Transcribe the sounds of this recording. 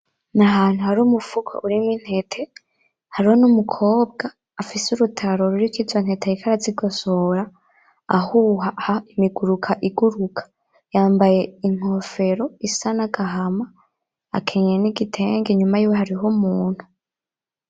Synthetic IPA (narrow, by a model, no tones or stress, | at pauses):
naɦaːn̥uhaɾuːmufukʰo̰ʔuɾimwin̥he̞tʰe̞ | haɾihonumukʰo̞ːbɡaː | fisuɾutʰaɾo̞ɾuɾikizwan̥he̞tejikʰaɾaziɡo̞soɾa | a̰huhahaimiɡuɾukʰaʔiɡuɾukʰḁ | jaːmbaje̞iŋ̥ho̞fe̞ɾo̞isanaɡaɦama | a̰kʰeɲeniɡitʰe̞ːŋɡeɲumajuːweɦaɾiɦomuːn̥hu